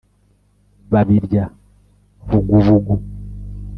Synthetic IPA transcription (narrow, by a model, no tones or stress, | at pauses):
βaβiɾɟa | vuɡuvuɡu